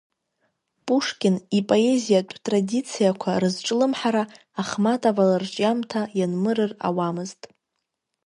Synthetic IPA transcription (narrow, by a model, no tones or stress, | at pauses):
pʼuʂkʲʼɪnipʼo̞e̞zijatʷʼʰtʼradit͡sʰijakʷʰarɨzʈ͡ʂʼlɨmħaɾaː | χmatʼavalart͡ʃʼamtʰajanmɨɾɨra̰wamɨztʼ